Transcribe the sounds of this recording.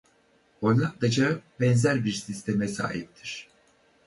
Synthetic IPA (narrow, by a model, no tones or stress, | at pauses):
onlˠak̚d̪ad͡ʒaɯp̚bɛnzæɾbiɾsist̪ʰemɛsa̰ːhip̚t̪ʰiɾ̥